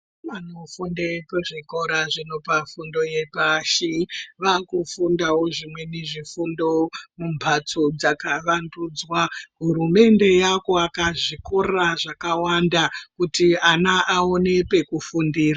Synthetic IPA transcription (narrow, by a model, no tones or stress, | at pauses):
manofundepeʐikoɾaʐino̞pafundo̞je̞paːʃiʋakufundawo̞ʐimwe̞neʐifundo̞mumbʱat͡sod͡zakaʋanduːd͡zwaɦuɾume̞nde̞jako̞akaʐiko̞raʐakawandakutianaʔaone̞pe̞kufundiːra